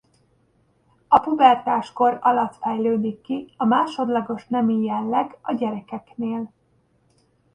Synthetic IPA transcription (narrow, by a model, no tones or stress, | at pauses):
ɒpubɛrt̪aːʃko̞ɾɒlɒt̪fɛjløːd̪ikːiɒmaːʃo̞d̪lɒɡo̞ʃnɛmijɛlːɛɡɒɟɛɾɛkɛkneːl